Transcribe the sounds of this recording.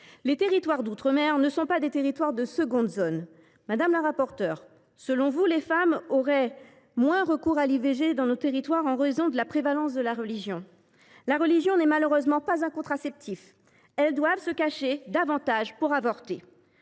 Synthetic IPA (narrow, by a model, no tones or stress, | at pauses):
let̪eʁit̪waʁd̪ut̪χəmɛʁnəsɔ̃pad̪et̪eʁit̪waʁd̪əsəɡɔ̃d̪zon | mad̪amləʁapɔʁt̪œːʁ | səlɔ̃vulefamɔʁɛ | mwɛ̃ʁəkuʁaliveʒed̪ɑ̃not̪eʁit̪waʁɑ̃ʁezɔ̃d̪əlapχevalɑ̃sd̪əlaʁəliʒjɔ̃ | laʁəliʒjɔ̃nɛmaləʁøzmɑ̃pazɛ̃kɔ̃t̪χasɛp̚t̪ʰif | ɛld̪wavsəkaʃed̪avɑ̃t̪aʒpuʁavɔʁt̪e